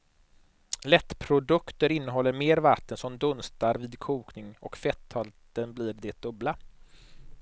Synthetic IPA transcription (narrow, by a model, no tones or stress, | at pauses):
lɛt̪ːpʰɾʊd̪ɵkt̪əɾɪnːəɦɔlːəɾmeːɾvat̪ːənsɔmd̪ɵnst̪aɾviːd̪kʰuːknɪŋɔkfɛt̪ʰːɔlt̪ənbliːɾd̪ɛt̪̚d̪ɵbla